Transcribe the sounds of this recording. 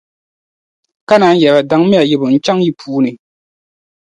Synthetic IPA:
ka˦naː˨˦jɛ˨la˨da˨˦ŋ˦mi˦a˨jɪ˨bʊ˨n̩˦t͡ʃa˦ŋji˦pʰuː˦nɨ˨

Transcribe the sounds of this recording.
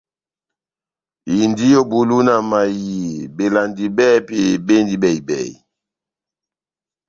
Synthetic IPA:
i˨ndi˦jo˦bu˨lu˦na˨ma˨ji˨be˨la˨ndi˨bɛ˦pe˨be˦ndi˦bɛ˨i˨bɛ̰˦˨

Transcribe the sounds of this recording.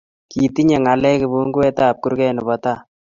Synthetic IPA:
kiː˨ti˦ɲe˨ŋa˨lɛ˦kɪ˨bu˦ŋɡu˦wɛ˦taː˦˨p̚ku˦ɾkɛ˦nɪ˨bɔ˦ta˦˨

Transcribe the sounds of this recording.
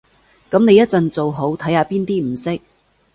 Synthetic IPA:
kɐ˨˥mne˨˧jɐ˥t̚t͡sɐ˨nt͡so˨wɦo˨˥wt̪ʰɐ˨˥jhaː˧piː˥nt̪iː˥m̩˨˩sɪ˥k̚

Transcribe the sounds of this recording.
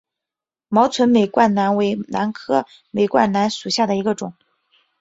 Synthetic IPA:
mɑ˧˥ʊt͡sʰwə˧˥nme˨˩ɪkwa˥˩nna˧˥nwe˧˥ɪna˧˥nkʰɤ˥ | me˨˩ɪkwa̰˥˩nna˧˥nʂu˨˩ɕja˥˩d̪ə˩i˧˥ɡə˧ʈ͡ʂʊ˨˩˦ŋ

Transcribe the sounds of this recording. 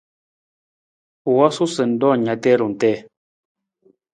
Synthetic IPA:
wɔ˦su˦sə˨n̩˨˦dɔː˦˨ɲa˨˦tɛ˦ɾu˨n̩˨tɛ˦˨

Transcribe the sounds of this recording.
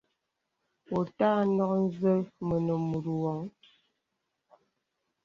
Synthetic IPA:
wo˨taː˦nɔ˦k̚n̩˦zə˦mə˨nə˨mu˨ɾu˨wɔ˨ŋ

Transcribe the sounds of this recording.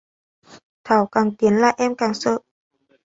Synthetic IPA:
t̪ʰa˧˩wka˧˩ŋt̪i˨˩˦nla˧˨ʔɛː˧˥˨mka˧˩˨ŋsɤ˧ʔ

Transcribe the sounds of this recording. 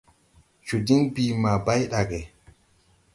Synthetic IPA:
t͡ʃu˨di˦nbiː˨ma˨ba˦jɗa˨ɡɛ˨

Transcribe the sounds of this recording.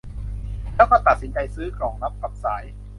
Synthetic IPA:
lɛː˦˥wkɔː˥˩t̪a˨t̪̚si˩˦nt͡ɕa˧jsɯː˦˥kʰɾɔː˩˦ŋla˦˥p̚ka˨˩p̚saː˩˦j

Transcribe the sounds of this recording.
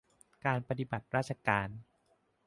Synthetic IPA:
kaː˧npa˧t̪i˨˩ba˨˩t̪̚ɾaː˥˩t̪̚t͡ɕʰa˧kaː˧n

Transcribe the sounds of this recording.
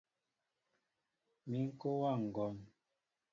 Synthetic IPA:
mi˨˦ŋ̩˦ko˦wa˦˨ŋ̩˨ɡɔ˨n

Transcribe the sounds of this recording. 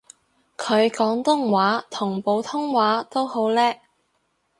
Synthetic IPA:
kʰɵ˨˧ɥkɔː˨˥ŋt̪ʊ˥ŋwaː˨˥t̪ʰʊ˨˩ŋpo˨˧wt̪ʰʊ˥ŋwaː˨˥t̪o˥who˨˥wlɛː˥

